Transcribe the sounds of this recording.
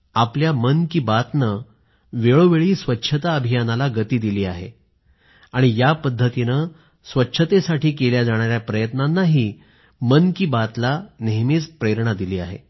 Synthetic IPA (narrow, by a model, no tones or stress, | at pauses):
apljamənkiːbat̪nə | ʋeɭoʋeɭiːsʋətːɕʰət̪aəbʱijanalaɡət̪iːd̪iliːaɦḛ | aɽ̃ijapəd̪ʱːət̪inə | sʋətːɕʰət̪esaʈʰiːkeljad͡zaɽ̃aɾjapɾəjət̪nanːaɦiː | mənkiːbat̪laneɦmit͡spɾeɾɳ̃ad̪iliːaɦḛ